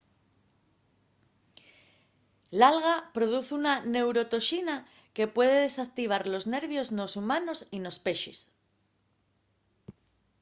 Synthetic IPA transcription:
lalɣapɾo̞ðuθunane̞wɾo̞t̪o̞ʃina | ke̞pwe̞ðe̞ðe̞sak̚t̪iβ̞aɾlo̞zne̞ɾβjo̞zno̞sumano̞sino̞spe̞ʃis

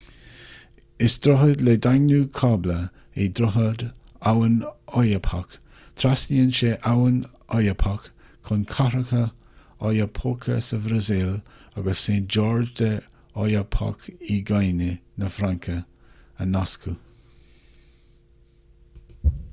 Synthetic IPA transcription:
ɪsd̪̥ɾʊɦəd̪led̪aŋnuːkʰaːblə | ed̪ɾʊɦəd̪ | awənɔjəpʰak | t̪ʰɾasliənʃeʔawən | ɔjəpʰakʰː | ʊnkʰaɾəkə | ɔjəpʰokʰə̰səvɾəzɪlaɡəsːeːnd͡ʒɔːɹd͡ʒd̪ə | ɔjəpʰa̰kiɡajnənəfɾaŋkʰəənaskʰu

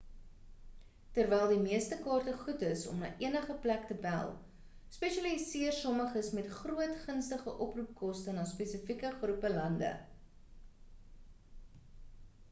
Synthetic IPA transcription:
tərvɛjlˠdimiəstəkɑːrtəχutəsɔ̰mnɑ̰ːʔiənəχəplæktəbælˠ | spɛʃɐlisiərsɔməχəsmɛtχruətχənstəχəʔɔprup̚kɔstənɑːspɛsəfikəχrupəlɐndə̰

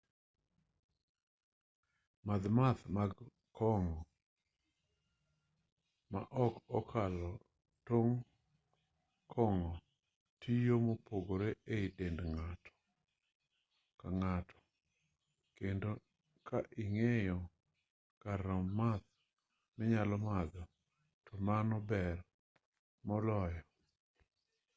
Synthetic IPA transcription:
mad̪mat̪maɡ | kʰɔŋɔ | ma̰ʔɔkɔkʰalɔ | toŋ | kʰɔŋɔ | tʰijomopoɡoɾeeɪdendŋatʰɔ̥ | kaŋatʰɔ̥ | kendo | kʰaʔɪŋejɔ | kaɾɔmmad̪̚ | mɪɲalɔmad̪ɔ | tʰɔmanɔbɛr | mɔlɔjɔ

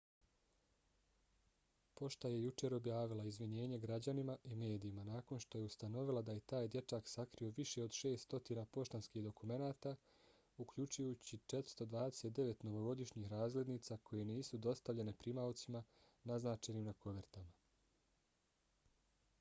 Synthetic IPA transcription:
po̞ʃt̪aje̞jut͡ʃe̞ɾo̞bjaːʋilaizʋiɲe̞ːɲe̞ɡɾad͡ʑanimaʔime̞ːd̪iimanaːko̞nʃt̪oje̞ust̪ano̞ʋilˠad̪aje̞t̪aːjd̪je̞t͡ʃaksakɾio̞ʋiʃe̞o̞d̪ʃe̞ːst̪o̞t̪iːnapo̞ʃt̪anskiːhd̪o̞kume̞naːt̪a | ukʎut͡ʃujuːt͡ɕit͡ʃe̞t̪ɾ̥st̪o̞d̪ʋaːd̪e̞se̞t̪d̪e̞ʋe̞t̪no̞ʋo̞ɡo̞d̪iʃɲiːxɾaːzle̞d̪niːt̪sakʰo̞je̞niːsud̪o̞st̪aʋʎe̞nepɾimawt̪sima | naznaːt͡ʃeniːmnako̞ʋeɾt̪ama

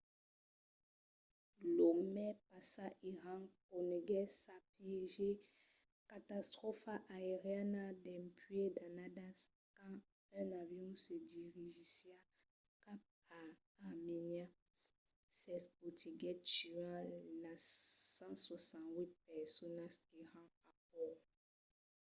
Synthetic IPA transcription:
lomɛpasaʔiʁãnkoneɡɛsapjeʒe | kat̪ast̪ʁɔfaʔaeʁjanadɛmpɥedanadas | kã | ɛ̃navjũsediʁiʒisjia | kap̚ | a | amenia | sɛspotiɡɛt͡ʃiãlasãswasãnwit̪̚pɛsɔnaskeʁã | ap̚ɔ

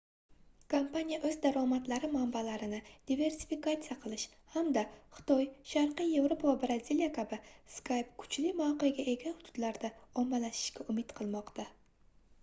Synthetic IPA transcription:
kʰompanʲijaʔɵzd̪aɾɒmat̪laɾɪmambalaɾɪnɪd̪̥ive̞ɾsi̥fikat̪sɨjaqʰɨlˠɪʃ | hamd̪aχɨ̥t̪ʰɒjʃaɾqɨje̞vɾopʰavabɾaziljakʲʰabɪskʰajpkʰʊ̥t͡ʃlɪmaqɨjɡʲaʔe̞ɡʲanhʊd̪̥ʊd̪̥laɾd̪aɒmːalaʃɪ̥ʃɡʲaʔʊmɪt̪qʰɨlˠmɒqt̪ʰa

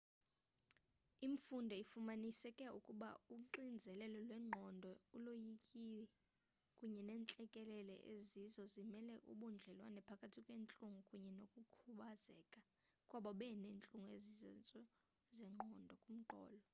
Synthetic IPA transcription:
imfundʱɔifumanisɛkʼɛukʼuɓauǃind͡zʱɛlɛlɔlwɛŋ͡ǃʱɔndʱɔulojikʼiɛ | kʼuɲɛnɛːnt͡ɬʼɛkʼɛlɛlɛ̰ʔezizɔzimɛlɛʔuɓund͡ɮʱɛlwa̰nɛpʰakʼatʰikʼweːnt͡ɬʼuŋɡʱukʼuɲɛnokʼukʰuɓazɛ̰ːkʼa | kʼwaɓaɓɛneːnt͡ɬʼuŋɡuezizɔnt͡sʼɔ | zɛŋ͡ǃʱɔndʱɔkʼum̩ǃʱɔ̰ːlɔ

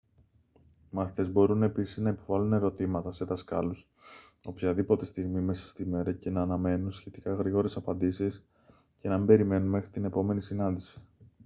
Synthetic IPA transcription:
mɐːft̪e̞zbo̞ɾune̞pisiznɐipo̞vɐlune̞ɾo̞t̪imɐt̪ɐse̞ðɐskɐ̰lus | o̞pçɐðipo̞t̪e̞st̪iɣmime̞sɐ̥st̪ime̞ɾɐce̞nɐːnɐme̞nunsçe̞t̪ikɐɣɾiɣo̞ɾe̞sɐpɐnd̪isis | ce̞nɐmibe̞ɾime̞nunme̞xɾit̪ine̞po̞me̞nisinɐnd̪isi̥

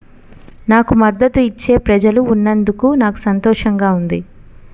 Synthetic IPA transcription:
naːkumɐd̪ːɐt̪uit͡ʃːe̞ːpɾɐd͡ʒɐluːnːɐnd̪ukunaːku̥sɐnt̪ɔːʂɐŋɡaːund̪i

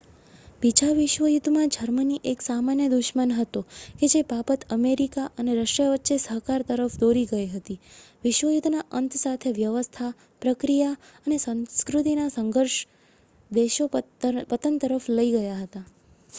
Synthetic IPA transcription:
bid͡ʒaʋɪʃʋəjud̪ʱmãd͡ʒəɾməniʔeksamanjəd̪uʃmənɦət̪oked͡ʒebapət̪əmeɾikaʔəneɾəʃɾəʋətːʃesəɦkaɾt̪əɾəfd̪oɾiɡəiɦət̪iʋɪʃʋəjud̪ʱnaʔənt̪sat̪ʰeʋjəʋəst̪ʰa | pɾəkɾijaənesə̃nskɾut̪inasəŋɡʱəɾʃ | d̪eʃopət̪ənt̪əɾəfləiɡəjaɦət̪a

